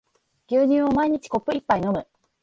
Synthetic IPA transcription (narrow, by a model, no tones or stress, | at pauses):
ɡʲɨːɲɨ̃ɰo̞maiɲ̟it͡ɕi̥ko̞pːɯ̟ipːainomɯ̟